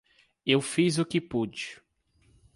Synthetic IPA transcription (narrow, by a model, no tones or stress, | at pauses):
ewfizʊkɪpud͡ʒi